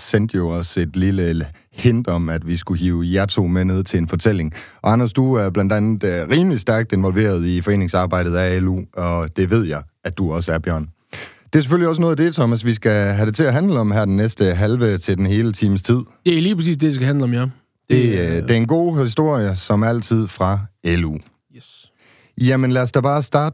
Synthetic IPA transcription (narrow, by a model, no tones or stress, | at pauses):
send̥jo̝ɒse̝d̥lilə | hend̥ɒ̽mæd̥ʋisɡ̥uɦiːʊjæɐt͡sʰo̝ːmeneð̞ˠt͡sʰe̝lenfɒ̽t͡sʰel̰e̝ŋʔɒ̽ɑnɐsd̥uæɐb̥lænd̥ænð̩ˠʁiːməlisd̥æɐɡ̥̚d̥e̝nʋɒ̽lʋe̝̰ːɐð̞ˠifɒ̽e̝̰ːne̝ŋsɑ̈ːb̥ɑ̈ɪ̰d̥ð̩ˠæelṵɒ̽d̥e̝ʋe̝ð̞̰ˠjɑ̈ɪædd̥uɒ̽səæɐb̥jɶɐ̰n | d̥e̝æɐs̬eføliɒ̽s̬ənɔːð̩ˠd̥e̝t͡sʰɒ̽mæs̬ʋis̬ɡ̥æɦæɾ̥e̝t͡sʰe̝æɦænləɒ̽mɦæɐd̥enːesd̥əɦælʋət͡sʰe̝ld̥enɦe̝ːlət͡sʰḭːməst͡sʰið̞̰ˠd̥eliːpʰʁɐsḭːsd̥edisɡ̥æɦænləɒ̽mja | d̥e̝d̥e̝ɐe̝nɡ̥o̝̰ːɦisd̥o̝ɐ̰jəsɒ̽mæl̰t͡sʰið̞̰ˠfʁɑ̈elṵ | jæmənlæɐsd̥ɑæb̥ɑ̈ːsd̥ɑ̈ːd̥